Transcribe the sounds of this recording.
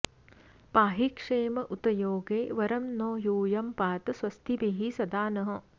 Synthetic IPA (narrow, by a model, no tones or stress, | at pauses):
paːɦikʂeːmɐʔut̪ɐjoːɡeːʋɐɾɐmnoːjuːjɐmpaːt̪ɐsʋɐst̪ʰibiɦisɐd̪aːnɐɦɐ